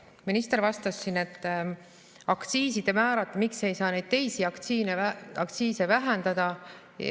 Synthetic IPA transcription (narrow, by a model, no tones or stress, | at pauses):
minist̪eɾvɑst̪ɑsːinet̪ːˑ | ɑkt̪siːsid̪̥e̞mæːɾɑt̪ːˑmikse̞jsɑːne̞jd̪̥̚t̪e̞jsiɑkt̪siːneɑkt̪siːse̞væɦænd̪ɑd̪̥ɑ